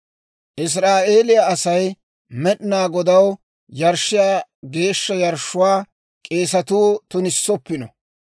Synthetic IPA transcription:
ʔɪs̬ɾaːʔe̞ːlɪjaɐsɐj | mɛɗɪnaːɡɔd̪ɐw | jɐɾʃːɪjaːɡe̞ːʃːɐjɐɾʃːʊwaː | kʼe̞ːsɐt̪uːt̪ʊnɪsːɔpːɪnɔ

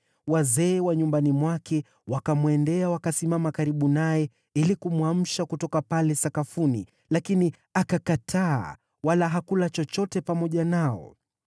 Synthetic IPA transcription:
wazɛːwaɲumbanimwakɛ | wakamuɛndɛawakasimamakaɾiɓunajɛ | ilikumwam̩ʃakutɔkapalɛsakafuni | lakini | akakatʰa̰ː | walaɦakulat͡ʃɔt͡ʃɔtɛpamɔʄanaɔ̰

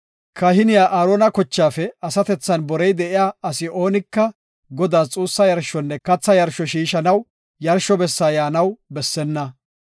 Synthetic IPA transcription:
kʰɐhɪnɪjaːʔaːɾoːnɐkɔt͡ʃːaːfɛɐsɐt̪ɛt͡sːɐnbɔɾɛjd̪ɛʔɪjaːɐsɪo̞ːnɪkːɐ | ɡɔd̪aːt͡sʼuːsːɐjɐɾʃɔnːɛkɐt͡sːɐjɐɾʃɔʃiːʃɐnɐw | jɐɾʃɔbɛsːaːjaːnɐwbɛsːɛnːɐ

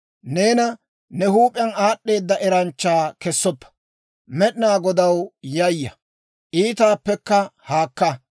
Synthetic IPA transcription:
neːnɐ | nɛhuːpʼɪɐnaːɗːe̞ːd̪ːɐʔɛɾɐnt͡ʃːaːkɛsːɔpːɐ̥ | mɛɗnaːɡɔd̪ɐwjɐjːɐ | ʔiːt̪aːpːɛkːɐhaːkːɐ

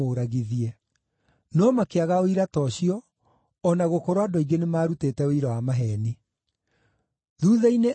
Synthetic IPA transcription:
oɾaɣiðiɛ | nɔmakeaɣaoiɾatɔɕiɔː | naɣokoɾowadoiɡenemaːɾuteːtɛoiɾɔwamaɦɛni | ðuːðɛine

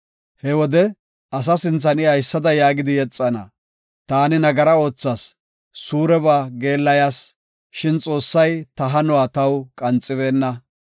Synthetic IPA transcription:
hɛwɔd̪ɛ | ɐs̬ɐsɪnt͡sːɐnɪɐjsːɐd̪ɐjaːɡɪd̪ɪjɛt͡sʼːɐnɐ̰ | t̪aːnɪnɐɡɐɾɐo̞ːt͡sːɐsː | uːɾɛβaːɡe̞ːlːɐjas | ʃɪnt͡sʼo̞ːsːɐjt̪ɐɦɐnʊwaːt̪ɐwkʼɐnt͡sʼːɪβe̞ːnːɐ

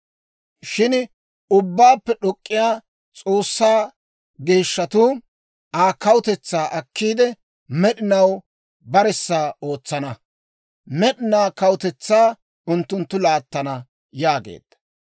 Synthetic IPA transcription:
ʃɪn | ʊbːaːpːɛɗɔkʼːɪjaː | t͡sʼo̞ːsːaː | ɡeːʃːɐt̪uː | aːkɐwʊt̪ɛt͡sːaːʔɐkːiːd̪ɛ | mɛɗɪnɐw | bɐɾɛsːaːo̞ːt͡sːɐnɐ | mɛɗɪnaːkɐwʊt̪ɛt͡sːaː | ʊnt̪ːʊnt̪ːʊlaːt̪ːɐnɐ | jaːɡḛːd̪̥ːɐ̥

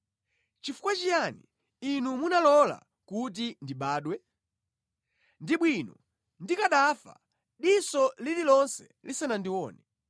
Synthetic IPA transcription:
t͡ʃifu̥kwat͡ʃijanḭ | inumunalɔla̰ | kut̬indiɓaːɗwɛ | ndiɓwinɔ | ndikaɗafa̰ | ɗisɔlililɔnsɛ̥ | lisɛnandiwɔːnɛ

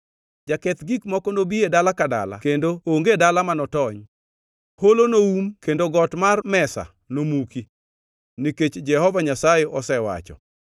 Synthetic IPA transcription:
d͡ʒakɛt̪ɡikmɔkɔnobiedalakada̰la̰kendooŋɡedalamanɔtɔɲ | holonoumkendoɡɔtmarmɛsa̰ | nomuki | niket͡ʃd͡ʒɛhɔvaɲasajeʔɔsɛwa̰t͡ʃɔ̰

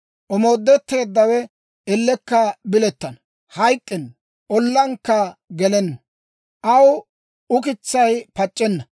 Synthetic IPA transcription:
ʔɔmoːd̪ːɛt̪ːe̞ːd̪ːɐwɛ | ɛlːɛkːɐbɪlɛt̪ːɐn | hɐjkʼːɪn | ʔɔlːɐŋkːɐɡɛlɛnːɐ | ʔɐw | ʊkɪt͡sːɐjpɐt͡ʃʼːɛnːɐ

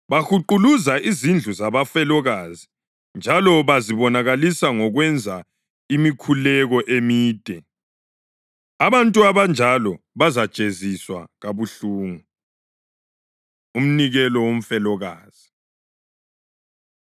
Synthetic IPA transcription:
βaxuǃuluzaʔizind͡ɮʱuzaβafɛlɔɣazi | nd͡ʒʱalɔβaziβɔnaɣalisaŋɔɣwɛnd͡zʱa | imikʰulɛɣɔʔemiːtʼɛ | aβantʼuaβand͡ʒʱalɔβazḁt͡ʃʼeziswa̰ɣaβuɬuːŋu | um̩niɣɛlɔwom̩fɛlɔɣaːz̥i

